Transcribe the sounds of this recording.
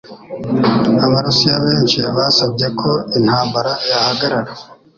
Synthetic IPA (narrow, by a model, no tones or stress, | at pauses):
aβaɾusijaβe̞ːnt͡ʃiβaːsaβɟe̞kʰo̞in̥haːmbaɾajahaɡaɾaɾa